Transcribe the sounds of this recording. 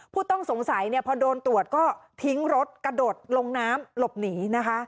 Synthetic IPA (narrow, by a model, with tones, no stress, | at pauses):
pʰuː˥˩t̪ɔ˥˩ŋso˩˦ŋsa˩˦jni˥˩ɐpʰɔ˧doː˧nt̪u˨˩ət̪̚kɔː˥˩t̪ʰi˦˥ŋɾo˦˥t̪̚kɾa˧doː˨˩t̪̚lo˧ŋnaː˦˥mlo˨˩p̚niː˩˦na˦˥kʰa˦˥ʔ